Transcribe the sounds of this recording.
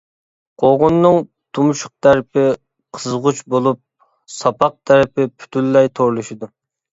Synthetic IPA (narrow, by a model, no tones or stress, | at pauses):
qʰoʁʊnːɨŋ | t̪ʰumuʃʊ̥q̚t̪ʰæɾpɪ | qʰəzʁʊt͡ʃbolˠup̚ | sɑpɑq̚t̪ʰæɾpɪpʰy̥t̪ʰylːɛjt̪ʰoɾlˠuʃid̪u